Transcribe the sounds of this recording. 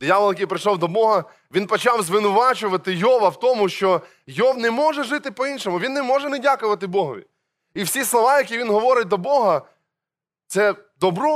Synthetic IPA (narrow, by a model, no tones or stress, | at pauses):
d̪ʲjaʋlˠjɐkijpɾɪʃɔwd̪ɔbɔɦɐ | ʋʲinpɔt͡ʃɑwzʋɪnʊʋɑt͡ʃʊʋɐt̪ɪjɔʋɐwt̪ɔmʊʃt͡ʃɔ | jɔwnɛmɔʒɛʒɪt̪ɪpɔinʃɔmʊʋʲinːɛmɔʒɛnɛdʲakʊʋɐt̪ɪbɔɦɔʋʲḭ | iwsʲislˠɔʋɑjɐkʲiʋʲinɦɔʋɔɾɪt̚ʲd̪ɔbɔɦɐ | t̪sɛd̪ɔbɾɔ